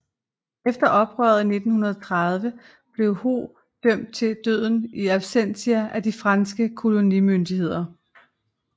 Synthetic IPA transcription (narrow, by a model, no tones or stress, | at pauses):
efd̥ɐʔɒ̽b̥ʁœɐð̩ˠne̝d̥n̩hunɐð̞ˠt͡sʰʁaðˠʋə | b̥le̝ʊho̝̰ː | d̥øm̰d̥̚t͡sʰe̝ld̥øð̞̰ˠn̩iæb̥sen̰siæʔæd̥ifʁɑnsɡ̥əkʰo̝lo̝nimønd̥iɦe̝ð̞̰ˠɐ